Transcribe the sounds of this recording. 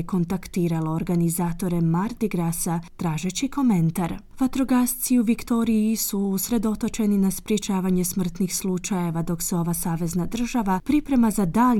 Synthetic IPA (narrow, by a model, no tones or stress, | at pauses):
ko̞nt̪akt̪iːɾalˠooɾɡanizaːt̪o̞ɾe̞maɾd̪iɡɾasat̪ɾaːʒe̞t͡ʃikʰo̞me̞nt̪aɾ | ʋat̪ɾoɡast̪siuʋikt̪o̞ɾijisusɾe̞d̪o̞t̪o̞t͡ʃe̞ninaspɾje̞t͡ʃaːʋaɲe̞smr̩t̪nixslˠut͡ʃaje̞ʋad̪o̞kseo̞ʋasaːʋe̞znad̪r̩ʒaʋapɾipɾe̞mazad̪aː